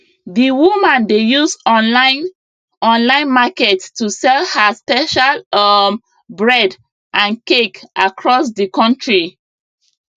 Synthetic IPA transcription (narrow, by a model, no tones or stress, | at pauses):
diwumãndejusɔa | ɔ̃nlãɪ̃nmakɛttusɛlhəspɛʃalm | bɹɛd | ʔãnkekʔakʰɹɔs̬dikɔ̃ntɹi